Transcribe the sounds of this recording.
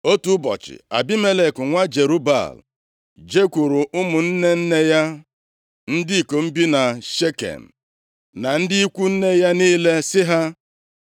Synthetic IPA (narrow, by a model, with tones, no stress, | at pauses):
o˦tu˦bɔ̰˨t͡ʃɪ̰˨a̰˨bi˦me˦le˨kʊ˨ŋʷa˦d͡ʒe˨ɾu˦ba̰˦˨l | d͡ʒe˦kʷu˨ɾu˨ʔʊ˦mʊ˨n̩˦ne˦n̩˦ne˦ja˦ | n̩˦dɪ˦i˨ko˨m̩˦bi˦na˨ʃe˦kḛ˨m̩˨ | na˨n̩˦dɪ˦i˦kʷu˦n̩˦ne˦ja˦niː˦le˦sɪ˦ɦa˦